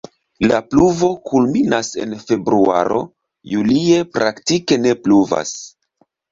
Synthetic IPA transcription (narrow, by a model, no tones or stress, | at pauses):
lapluvo̞kʰulminase̞̰nfe̞bɾua̰ɾo̞̰ | julie̞pɾaktike̞ne̞pluva̰s